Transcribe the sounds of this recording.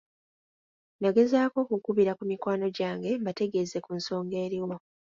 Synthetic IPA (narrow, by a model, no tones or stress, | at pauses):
naɡe̞zaːko̞kukuβiɾakumikwaːno̞ɟaːŋɡe̞mbate̞ɡe̞ze̞kunso̞ːŋɡe̞ːɾiwo